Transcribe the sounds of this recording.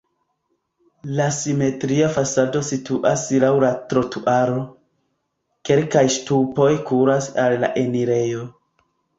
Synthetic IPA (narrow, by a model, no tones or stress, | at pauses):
lasime̞tɾiafasado̞situʔaslawlatɾo̞tuʔaɾo̞ | ke̞lkajstupo̞jkuɾasalːa̰ʔe̞niɾe̞jo̞